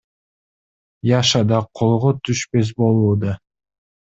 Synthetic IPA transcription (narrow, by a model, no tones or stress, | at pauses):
jɑʃɑd̪ɑqʰolˠʁot̪ʰyʃpe̞s̬bo̞lˠuːd̪ɑ